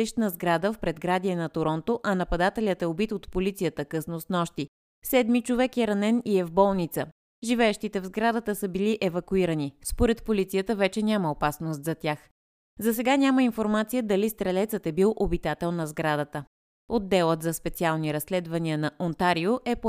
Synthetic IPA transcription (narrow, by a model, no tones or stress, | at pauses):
iʃt̪nɐzɡɾad̪əfpɾɛd̪ɡɾad̪iɛnɐt̪oɾɔnt̪oʔɐnɐpɐd̪at̪ɛlʲət̪ɛobit̪ot̪polit̪sijət̪əkɤsnosnɔʃt̪i | sɛd̪mit͡ʃovɛkɛɾɐnɛniɛvbɔlˠnit̪sə | ʒivɛɛʃt̪it̪ɛvzɡɾad̪ət̪əsəbiliʔɛvɐkuiɾənispoɾɛt̪polit̪sijət̪əvɛt͡ʃɛnʲaməopasnos̬t̪zɐt̪ʲjax | zɐsɛɡanʲaməinfoɾmat̪sijəd̪ɐlist̪ɾɛlɛt̪sət̪ɛbilˠʔobit̪at̪ɛlˠnɐzɡɾad̪ət̪ə | od̪ːɛlˠət̪zɐspɛt̪sialˠniɾɐsːlɛd̪vɐniənɐʔont̪aɾioʔɛpo